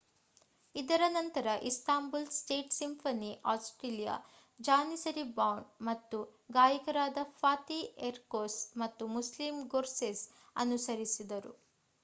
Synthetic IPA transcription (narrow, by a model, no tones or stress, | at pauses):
id̪ɐɾɐnɐnt̪ɐɾɐʔisʈ̪aːmbulsʈeːʈsimpʰɐniʔaːsʈɾeːlija̰ | d͡ʒaːnisɐɾibɐwɳmɐt̪ːuɡaːjɐkɐɾaːd̪ɐpʰaːt̪ieɾkoːsmɐt̪ːumuslimɡoːɾses | ɐ̰nusɐɾisid̪ɐɾṵ